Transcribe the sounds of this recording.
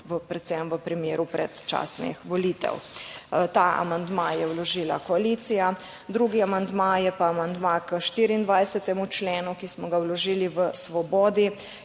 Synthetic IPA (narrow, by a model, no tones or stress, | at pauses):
ʋəpɾɛt̪sɛmʋəpɾimjeːɾupɾɛ̰t̪t͡ʃa̰ːsnḭxʋɔliːt̪ɛ̰wt̪aːʔa̰mand̪majɛwlɔʒiːla̰kɔaliːt̪sija | d̪ɾuːɡiamand̪majɛpaːmand̪makəʃt̪iːɾiiːnd̪ʋajsɛt̪ɛmut͡ʃleːnukismɔɡawlɔʒiːliʋəsʋɔbɔːd̪i